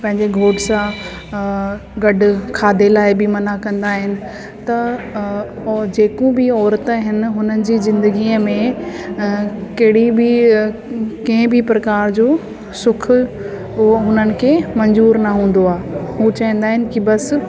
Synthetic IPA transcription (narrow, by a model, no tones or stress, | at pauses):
pɐ̃ɦɪ̃ɲd͡ʑeɡʱoːʈsã | ɡɐɖʊ̆kʰaːd̪ʱelaːɪbɪmɐnakɐ̃nd̪aːɦɪnɪ̆ | t̪ɐ | d͡ʑeːkũbɪɔːɾt̪əɦɪnɪ̆ɦʊnənɪ̆d͡ʑiːzɪ̃nd̪əɡiːəmẽ | kɐɦɪɽibi | kɐ̃ɪ̃bʱɪpɾɐkaːɾd͡ʑoː | sʊkʰʊ | ʊɦoɦʊnənɪ̆kʰemɐ̃ɲzuːɾnɐɦũːn̆d̪oaːɦũt͡ɕɐɦĩn̆d̪aːɦɪnɪ̆kibɐs